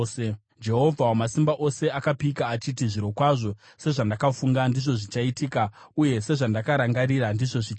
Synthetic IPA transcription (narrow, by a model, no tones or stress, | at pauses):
e | d͡ʒe̞ɦo̞vʱawamasimbaʔo̞se̞akapikaːt͡ʃit̬iʐiɾo̞kwaʐo̞ | se̞ʐandakafuŋɡandiʐo̞ʐit͡ʃaitiːka | uje̞se̞ʐandakaɾaŋɡaɾiɾandiʐo̞ʐi